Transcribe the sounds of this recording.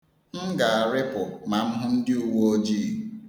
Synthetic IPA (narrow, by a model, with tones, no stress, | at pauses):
ŋ̩˦ɡa˨a˨ɾɪ˦pʊ˨ma˨m̩˦ɦʊ˦n̩˦dɪ˦u˨wo˦o˦d͡ʒiː˦˨